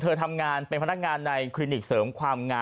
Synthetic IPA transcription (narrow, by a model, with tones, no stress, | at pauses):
t̪ʰɤː˧t̪ʰa˧mŋaː˧npe˧npʰa˧n˦a˥k̚ŋaː˧nːa˧jkʰli˧ni˨˩k̚sɤː˩˦mkʰwaː˧mŋaː˧